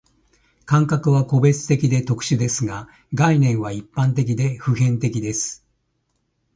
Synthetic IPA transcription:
kãŋkakɯ̟βako̞be̞t͡sɨ̥t̪e̞kʲid̪e̞t̪o̞kɯ̟̥ɕid̪e̞sɨɡa | ɡainẽ̞ɰ̃βaipːãnt̪̬e̞k̬ʲid̪e̞ɸɯ̟hẽ̞nt̪e̞kʲid̪e̞sɨ̥

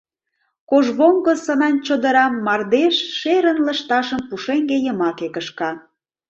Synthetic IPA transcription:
koʒβoŋɡəsənɑnt͡ɕod̪əɾɑmːɑrd̪eʃːeɾənlə̆ʃt̪ɑʃəmpuʃeŋɡejəmɑkekəʃkɑ

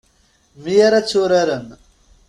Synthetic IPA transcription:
mijaɾat͡sːʊɾaɾən

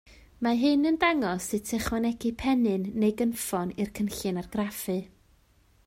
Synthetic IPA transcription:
maɦɨnəndaŋɔsɨtʰɛχwanɛɡɨpʰɛnɨnːejɡənfɔnɨrkʰənɬɨnarɡ̥rafɨ

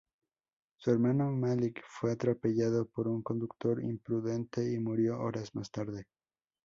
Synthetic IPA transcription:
sue̞ɾmano̞malikfwe̞at̪ɾope̞ʝaðo̞po̞ɾuŋko̞nd̪ukt̪o̞ɾḭmpɾuðe̞nt̪e̞imuɾjo̞ʔo̰ɾazmast̪aɾðe̞

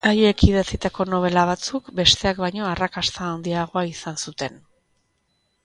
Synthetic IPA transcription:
aje̞kiðat͡sit̪ako̞no̞β̞e̞laβat͡sukbe̞st̪e̞akβajɲo̞arakast̪aːnd̪iaɣ̞o̞aisansut̪e̞n

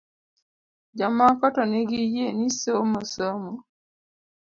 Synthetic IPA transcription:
d͡ʒamːãfɔtɔneɡijienĩsəməsɔmo

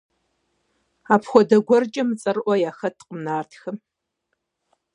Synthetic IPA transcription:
aːpʰxʷɔdɐɡʷɔrt͡ʃʼɐmɨt͡sʼɐrʔʷɔjaːxɐtʰqəmnaːrtʰxɐm

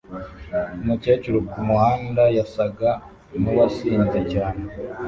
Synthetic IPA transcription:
umuce̞t͡ʃeɾokumuhaːndajasaɡa | nuwasiːnzecaːne

